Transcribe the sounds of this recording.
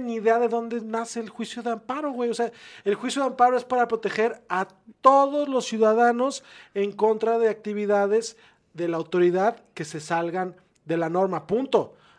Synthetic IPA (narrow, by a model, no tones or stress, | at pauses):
niðeaðe̞ðo̞nd̪e̞nase̞ːlxwisjoðeampaɾo̞ɣwe̞jo̞se̞aelxwisjo̞ðeampaɾo̞e̞spaɾapɾo̞t̪e̞xe̞ɾa | t̪o̞ðo̞zlo̞sːjuðaðano̞se̞ŋko̞nt̪ɾaðe̞ak̚t̪iβiðaðe̞z | ðe̞laːwt̪o̞ɾiðaðke̞se̞salɣan | d̪e̞lano̞ɾmapunt̪o̞